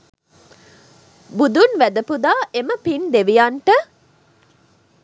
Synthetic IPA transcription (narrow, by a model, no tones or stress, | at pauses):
bud̪unʋæd̪ɐpud̪aːʔeməpind̪eʋijaɳʈə